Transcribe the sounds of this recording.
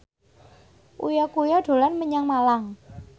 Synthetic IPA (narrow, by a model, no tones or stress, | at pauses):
ʔṵjɔkujɔɖ̥o̤lanməɲaŋmalaŋ